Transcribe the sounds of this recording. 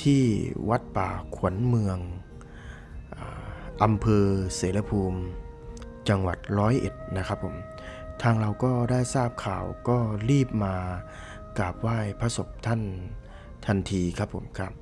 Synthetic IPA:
t̪ʰiː˥˩wa˦˥t̪̚paː˨˩kʰu˩˦ənmɯ˧əŋ | ʔaː˨˩ʔa˧mpʰɤː˧seː˩˦la˧pʰuː˧m | t͡ɕa˧ŋwa˨˩t̪̚ɾɔː˦˥jʔḛ˨˩t̪̚na˦˥kʰa˦˥pʰːo̰˨˩˦m | t̪ʰaː˧ŋɾa˧wkɔː˥˩daː˥˩jsaː˥˩p̚kʰaː˨˩wkɔː˥˩liː˥˩p̚maː˧ | kaː˨˩p̚waː˥˩jpʰa˧so˨˩p̚t̪ʰa˥˩˨n | t̪ʰa˧nt̪ʰiː˧kʰa˦˥pʰːo̰˩˦mkʰa˦˥p̚

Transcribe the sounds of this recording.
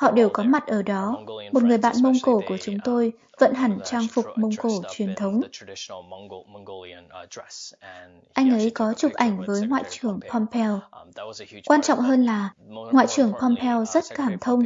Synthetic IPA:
hɔ̰˧˨ɗe˨˩wkɔ˨˦ma˨˩t̚ʔəː˧˩ɗɔ˨˦mo˨˩t̚ŋɨ˨˩əjɓa̰ː˧˨nmə˧wŋ͡mko˧˩ku˧˩ət͡ɕʊ˨˦ŋ͡mt̪o˧j | və̰˧˨nɦa˨˩ŋ̟t͡ɕaː˧ŋfʊ˨˩k͡p̚mə˧wŋ͡mko˧˩t͡ɕwi˨˩ənt̪ʰə˨˦wŋ͡m | ʔa˧jŋ̟ʔə˨˦jkɔ˨˦t͡ɕʊ˨˩k͡p̚ʔa˧˩jŋ̟vəː˨˦jŋwa̰ː˧˨jt͡ɕɨ˨˩əŋpʰɔ˧mpʰɛ˧w | kwaː˧nt͡ɕɔ̰˧˨wŋ͡mɦəː˧nlaː˨˩ŋwa̰ː˧˨jt͡ɕɨ˨˩əŋpʰɔ˧mpʰɛ˧wzə˦˥t̚kaː˧˩mt̪ʰə˧wŋ͡m

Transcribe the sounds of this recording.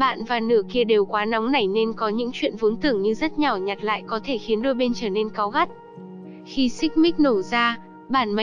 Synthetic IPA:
ɓa̰ː˧˨nvaː˨˩nɨ̰˧˩əki˧əɗe˨˩wkwaː˨˦na˨˦wŋ͡mna˨˩jne˧nkɔ˨˦ɲɨ̰˧˥ŋt͡ɕwḭ˧˨ənvo˨˦nt̪ɨ˧˩əŋɲɨ˧zə˦˥t̚ɲa˨˩wɲa˨˩t̚la̰ː˧˨jkɔ˨˦t̪ʰe˧˩xi˨˦ənɗo˧jɓe˧nt͡ɕəː˧˩ne˧nka˨˦wɣa˦˥t̚ | xi˧sï˦˥k̟̚mï˦˥k̟̚no˧˩zaː˧ | ɓaː˧˩nm˨

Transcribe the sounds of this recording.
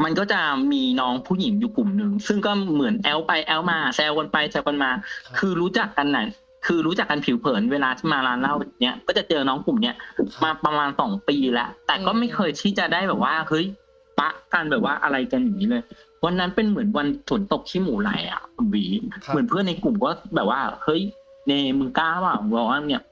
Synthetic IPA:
ma˧nkɔː˥˩t͡ɕa˨˩miː˧nɔː˦˥ŋpʰuː˥˩ji˨˩˦ŋjuː˨˩ku˨˩mnɯ˨˧ŋsɯ˥˩ŋkɔː˥˩mɯ˨˩˦ənʔɛː˦˥wpa˧jʔɛː˦˥wmaː˧sɛː˧wka˧npa˧jsʰɛː˦˥wka˧nmaː˧kʰɯː˧ɾuː˦˥t͡ɕa˨˩kːa˧nːa˨˦˥n | kʰɯː˧ɾuː˦˥t͡ɕa˨˩kːa˧npʰi˩˦wpʰɤː˩˦nweː˧laː˧t̪ʰiː˥˩maː˧laː˦˧˥nla˥˩wa˨˩ŋnːi˦˥ɐkɔː˥˩t͡ɕa˨˩t͡ɕɤː˧nɔː˦˥ŋku˨˩mni˦˥ɐmaː˧pɾa˧maː˧nsɔː˩˦ŋpiː˧lɛ˦˥ʔt̪ɛː˨˩kɔː˥˩ma˥˩jkʰɤː˧jt̪ʰiː˥˩t͡ɕa˨˩daː˥˩jbɛː˨˩p̚waː˥˩hɤ˦˥j | pa˦˥ʔka˧nbɛː˨˩p̚waː˥˩ʔa˧ɾa˧jka˧nja˨˩ŋːiː˦lɤː˧j | wa˧nːa˦˥npe˧nmɯ˩˦ənwa˧nsu˨˩˦nt̪o˨˩k̚t̪ʰiː˥˩muː˩˦la̰˨˦jʔa̰˨˩ʔnwiː˩˦mɯ˩˦ə˦npʰɯ˥˩əna˧jku˨˩mkɔː˥˩bɛː˨˩p̚waː˥˩hɤ˦˥˩jneː˧˩mɯ˧ŋkaː˥˩waː˧˩˧bɔː˨˩waː˥˩ni˥˩ɐ

